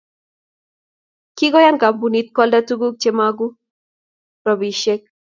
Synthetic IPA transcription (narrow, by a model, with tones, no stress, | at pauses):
ki˦ɡɔ˦ja˦ŋka˨mbu˨ni˦t̪̚kɔ˦lda˦tu˦ɡu˦k̚t͡ʃe˦ma˦ɡu˦ | ɾɔ˨bi˨ʃe˦k̚